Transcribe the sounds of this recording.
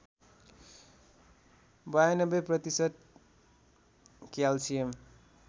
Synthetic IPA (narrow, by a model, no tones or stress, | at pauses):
bajnʌbʌprʌt̪isʌt̪̚ | kjalsijem